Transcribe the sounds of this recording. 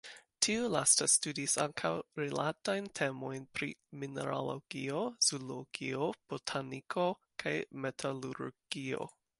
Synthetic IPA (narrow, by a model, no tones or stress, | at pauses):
tʰiulastastudisaŋkʰawɾilatajntʰe̞mo̞jnpɾḭminḛɾa̰lo̰ɡ̥ioz̥uloɡ̥iob̥otʰanikʰo̞ | kʰajmetʰaluɾɡ̥io̞̰